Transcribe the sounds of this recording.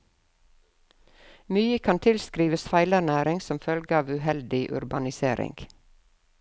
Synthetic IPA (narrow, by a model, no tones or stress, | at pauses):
myːəkʰɑnt̪ʰɪlskɾiːʋəsfæɪlæɳæːɾɪŋsɔmfœlɡəɑːʋʉːhɛld̪ɪʔʉ̰ɾbɑnɪsḛːɾɪ̰ŋɡ̥